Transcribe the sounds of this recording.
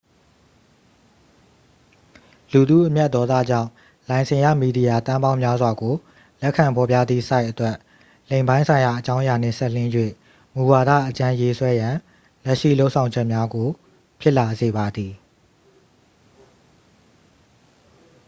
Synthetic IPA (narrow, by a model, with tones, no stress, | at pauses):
lu˨d̪ṵ˦˨ʔəmjɛ˦ʔt̪̚ːɔ˦t̪ä̰˦˨d͡ʑã̰˦˨ʊ̃ | lã˨ɪ̃nsʰɪ̃˨jä̰˦˨mi˨di˨ja˨t̪ã˦mbã˦ʊ̃mja˦zwa˨ɡo˨ | lɛ˦ʔkʰːã˨mpʰɔ˨pja̰˦˨d̪ðḭ˦˨sa˦ɪʔətwɛ˦ʔ | lẽ˨ɪ̃mbã˦ɪ̃sʰã˨ɪ̃ja˨ʔət͡ɕã˦ʊ̃ʔja˨n̥ɪ̰̃˦˨sɛ˦ʔl̥ɪ̃˦jwḛ˦˨ | mu˨wa˨ɾä̰˦˨ʔət͡ɕã˦je˦swɛ˦jã˨ | lɛ˦ʔʃḭ˦˨lo˦ʊʔsʰã˨ʊ̃ɲd͡ʑɛ˦ʔmja˦ɡo˨ | pʰjɪ˦ʔla˨ze˨ba˨d̪i˨